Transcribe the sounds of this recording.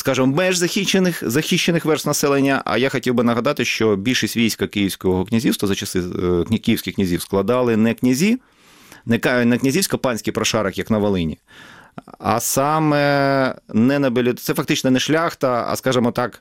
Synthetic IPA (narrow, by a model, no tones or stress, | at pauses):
skɑʒɪmɔmɛʒzɐxʲit͡ʃːenɪxzɐxʲiʃːenɪxʋɛrsnɐsɛlˠenʲːɐʔɐ̰jaxɔtʲiwbɪnɐɦɐd̪ɑt̪ɪʃt͡ʃɔbʲilʲʃɪsʲtʲʋʲijsʲkɐkɪjiwsʲkɔɦɔknʲɐzʲiwst̪ʋɐzɐt͡ʃɐsɪkʲkijiwsʲkʲɪxkʲnʲɐzʲiwsklˠɐd̪ɑlˠɪnɛknʲɐzʲi | nɛknɛknʲɐzʲiwsʲkɐpɑnʲsʲkʲijpɾɐʃɑɾɐkjɐknɐʋɐlˠɪnʲḭ | ɐ̰sɑmɛ | nɛnɐbelʲɪsɛfɐk̚t̪ɪt͡ʃnɔnɛʃlʲaxt̪ɐɐ̰skɑʒɪmɔt̪ɑk